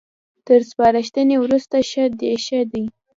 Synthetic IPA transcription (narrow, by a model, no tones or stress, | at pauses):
t̪əɾspɑɾaʃt̪ənewɾust̪aʃad̪eʃad̪ij